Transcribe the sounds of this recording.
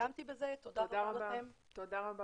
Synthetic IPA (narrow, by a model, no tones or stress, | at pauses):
amt̪ibezet̪od̪aʁaʁaaem | t̪od̪aʁaba